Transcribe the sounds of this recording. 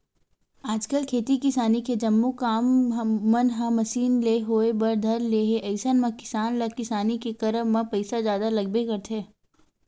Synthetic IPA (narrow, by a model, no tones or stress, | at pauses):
aːd͡ʒkəlkʰeːt̪ikɪsaːniked͡ʒɐmːukaːmːɐnɦãmɐsiːnleːɦoːebɐɾd̪ʱɐɾleːɦeʔɐɪsənmɐ̃kɪ̥saːnlakɪsaːnikekɐɾəmmãpɐɪsazjaːd̪alɐɡ̚bekɐɾt̪ʰeː